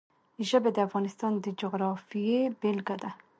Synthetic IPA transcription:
iʒabed̪ɪafɣɑnɪst̪ɑnd̪əd͡ʒʊɣɾɑfijebelɡad̪a

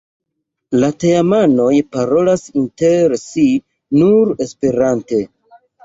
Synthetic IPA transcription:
lateamano̞jpaɾo̞lasinteɾsi | nuɾe̞spe̞ɾante̞

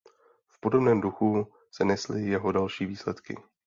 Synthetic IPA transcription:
fpo̞do̞bnɛːmduxu | sɛnɛslɪjɛɦo̞dalʃiːviːslɛt̪kɪ̰

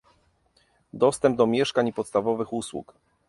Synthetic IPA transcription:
d̪ɔst̪ɛmb̚d̪ɔmʲjɛʂkaɲpɔt̪st̪avɔvɘxuswṵk

